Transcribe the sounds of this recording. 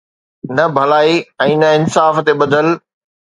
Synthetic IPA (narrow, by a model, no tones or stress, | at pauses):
nɐbʱɐlaːiɛ̃ːnɐɪnsaːft̪eɓɐd̪ʱəl